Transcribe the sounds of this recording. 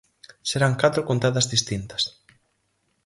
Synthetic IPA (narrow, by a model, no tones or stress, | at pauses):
seɾaŋkat̪ɾokont̪aðɐzðist̪int̪ɐ̥s